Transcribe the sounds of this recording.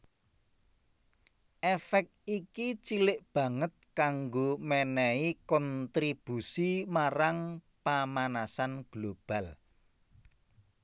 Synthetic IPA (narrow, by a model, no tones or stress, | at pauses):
ʔɛfɛk̪̚ikit͡ʃilɪʔb̥ä̤ŋət̪̚kaŋɡomɛnɛikɔnt̪ɾib̥usimaɾaŋpamanasanɡ̥lob̥a̤l